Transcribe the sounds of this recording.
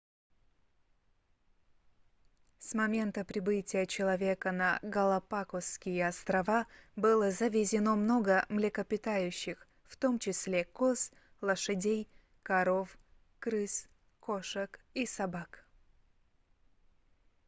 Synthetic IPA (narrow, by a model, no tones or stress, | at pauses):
smɐmʲe̞nt̪əpɾʲɪbɨtʲɪjət͡ɕɪlˠɐvʲe̞kənɐɡəlˠɐpakofskʲɪjəɐst̪ɾɐvabɨlˠəzəvʲɪzʲɪno̞mno̞ɡəmlʲɪkəpʲɪt̪ajʉɕːɪx | ft̪omt͡ɕɪsʲlʲekos | lˠəʂɨdʲej | kɐɾo̞f | kɾɨs | koʂəkisɐbak